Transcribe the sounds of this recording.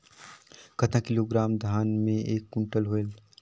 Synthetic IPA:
kɐt̪ãkɪloːɡɾaːmd̪ʱaːnmẽeːkːʊ̃ɳʈəlɦoel

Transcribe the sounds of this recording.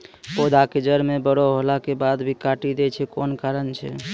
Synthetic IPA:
pod̪ʱaked͡ʒəɾmebəɽoɦolakebad̪bʱikaʈid̪ɛt͡ʃʰɛkonkaɾənt͡ʃʰɛ̰

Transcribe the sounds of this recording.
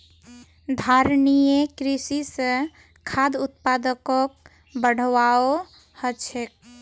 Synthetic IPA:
d̪ʱaɾnijekɾisisə̃ | kʰad̪ut̪̚pad̪əkok | bəɽ̤ʋao | hət͡ʃʰek̚

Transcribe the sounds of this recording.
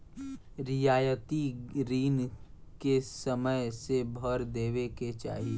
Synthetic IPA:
ɾɪjaːjət̪iɾiːnkesəməjsebʱəɾd̪eːʋeket͡ʃa̰ːɦi

